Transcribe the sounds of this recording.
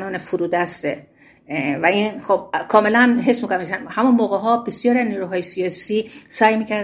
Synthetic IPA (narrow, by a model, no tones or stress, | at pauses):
nɒːnefuɾuːd̪æst̪e | væiːnxob̚kʰɒːme̞lænɦe̞smikonæmeʃænhæmunmoːɣeɦɒːbesjɒːɾiæzniːɾuɦɒːjesijɒːsiːsæːjmiːcʰæɾ